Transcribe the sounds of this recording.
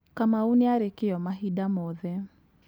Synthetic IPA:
kamauneaɾekɪɔmaɦidamɔðɛ

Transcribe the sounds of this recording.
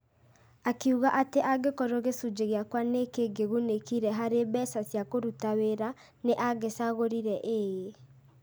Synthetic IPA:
akiuɣaʔateʔaɡekɔɾoɣesud͡ʒeɣeakwanekeɡeɣunekiɾɛɦaɾebɛsasjakoɾutaweɾa | neʔaɡesaɣoɾiɾɛʔeːje

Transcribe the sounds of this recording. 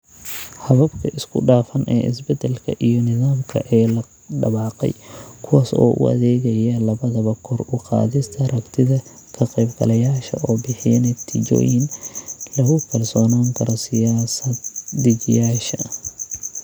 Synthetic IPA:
hɐβɐbkʰɐʔɪskʰʊ̰ɖaːfɐnʔɛ̰ːʔɪ̰sbɛd̪ɛlkʰɐ̰ʔijɔnɪðaːmkʰɐ̰ʔɛːlɐ | ɖɐβɑːqɛ̰jkʰʊwaːsɔ̰ːʔʊ̰ʔɐ̰ðɛːɣɐjɐlɐβɐðɐβɐkʰɔrʊqɑ̰ːðɪst̪ʰɐrɐkt̪ʰɪðɐ | kʰɐqɛjbɡɐ̰lɐjaːʃɐʔɔːbɪħɪjɐnɛt̪ʰɪt͡ʃɔ̰ːjɪnlɐɣʊkʰɐrsɔːnaːŋkʰɐɾɔsɪjaːsɐd̪ːɪɡɪjaːʃɐ

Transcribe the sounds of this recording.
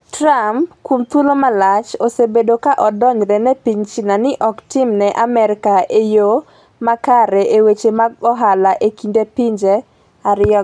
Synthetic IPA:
trampkwumt̪wulomalat͡ʃosebedokaʔɔdɔɲɾɛnɛpiɲt͡ʃinanɪʔɔktɪmnɛʔamɛɾɪkaejo | makaɾɛʔewet͡ʃemaɡɔɦalaʔekindepiɲd͡ʒe | aɾɪɔ

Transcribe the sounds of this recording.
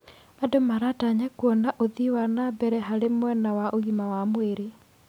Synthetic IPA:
adomaɾataɲakwɔnaʔoðiwanabɛɾɛɦaɾemwɛnawaʔoɣimawamweɾe

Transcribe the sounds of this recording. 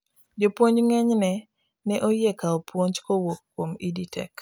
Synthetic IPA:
d͡ʒopwoɲd͡ʒŋɛɲnɛ | nɛʔojɛkaopwoɲt͡ʃkowokːwomiditʰɛ̰k

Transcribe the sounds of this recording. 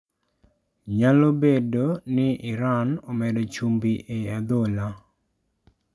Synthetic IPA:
ɲalobedonɪʔɪɾanɔmɛdot͡ʃumbiʔead̪ola

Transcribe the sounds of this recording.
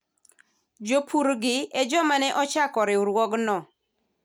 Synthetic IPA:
d͡ʒopʰuɾɡɪɛd͡ʒɔmanɛʔɔt͡ʃakɔɾɪʊɾwɔɡnɔ

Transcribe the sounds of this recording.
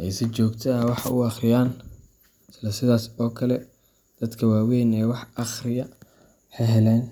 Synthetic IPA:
ʔɛjsɪt͡ʃɔːɡt̪ʰɐwɑħɑ̰ʔʊ̰ɑχrɪjaːn | sɪlɐsɪðaːsɔːkʰɐlɛ | d̪̥ɐd̪kʰɐwaːwɛjnɛːwɑħɑχrɪjɐ | ħɛjɦɛlɛːn

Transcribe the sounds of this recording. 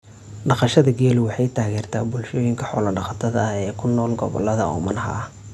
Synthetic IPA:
ɖɑqɑʃɐðɐɡɛːlʊwɑħɑjt̪ʰaːɣɛːrt̪ʰaːbʊlʃɔːjɪŋkʰɐħɔːlɐɖɑqɑt̪ʰɐðɐɐhɛːkʰʊnːɔːlɡɔβɔ̰lːɐðɐɔ̰ːmɐnɐɦa̰ː

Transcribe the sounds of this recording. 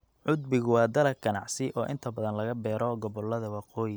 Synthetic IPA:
ʕʊd̪bɪɣʊwɑːd̪ɐlɐkɡɐnɑ̰ʕsɪʔɔːʔɪ̰nt̪ʰɐbɐðɐnlɐɣɐbɛːɾɔɡɔβɔlːɐðɐwɑqɔːjɪ

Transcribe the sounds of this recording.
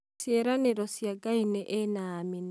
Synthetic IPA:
sjeɾaneɾɔsjaɡainɛʔenamin

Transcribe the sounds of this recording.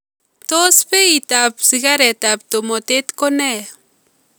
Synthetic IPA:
t̪ospeit̪apsiɡaɾet̪ap̚t̪omot̪et̪kone

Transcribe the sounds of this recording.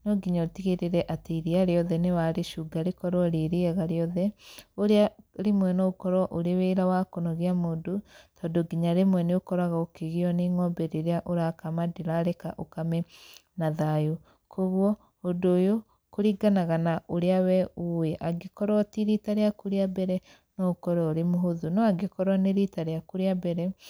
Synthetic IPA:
nɔɡiɲatiɣeɾeɾɛʔateɾiaɾeɔðɛnewaɾeʃuːɡaɾekɔɾwɔɾeɾeɛɣaɾeɔðɛoɾeaɾemwɛnɔokɔɾwɔʔoɾeweɾawakonɔɣeamoːndotʰɔːndoɡiɲaɾemwɛneokɔɾaɣaokeɣeɔneŋɔmbɛɾeɾeaʔoɾakamadeɾaɾeka̰ʔokamɛnaðajo | kʰoɣwɔ | ondoːjo | koɾiɡanaɣanaʔoɾeawɛoeʔaɡekɔɾɔtiɾitaɾeakuɾeabɛɾɛ | nɔkɔɾɔoɾemoɦoðunɔaɡekɔɾaneɾitaɾeakuɾeabɛɾɛ

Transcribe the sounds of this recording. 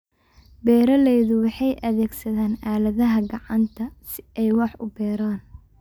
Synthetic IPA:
bɛːɾɐlɛːðʊwɑħɑjʔɐðɛːɡsɐðaːnaːlɐðɐɦɐɡɑʕɑnt̪ʰɐsɪɛjwɑħʊbɛːɾaːn

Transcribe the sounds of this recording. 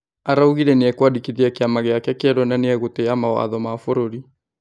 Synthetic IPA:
aɾauɣiɾɛneɛkwadikiðiakeamaɣeakɛkeɛɾɔnaneɛɣoteamawa̰ðɔmafoɾoɾi

